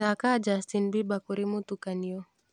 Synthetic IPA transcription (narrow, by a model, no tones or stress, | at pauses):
akaːd͡ʒast̪inbibakuɾimut̪ukanijo